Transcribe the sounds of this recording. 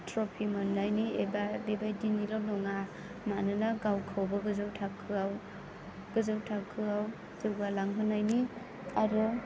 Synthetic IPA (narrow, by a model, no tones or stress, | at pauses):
tɾɔpʰimɯnːajniebadebajdinilɔw̚nɔŋa | manɯnaɡawkʰawbaɡɯzɯwtʰakʰːɯaw | ɡ̥ɯzɯwtʰakʰːɯaw | zɯwɡalaŋɦɯnːajni | aɾɔ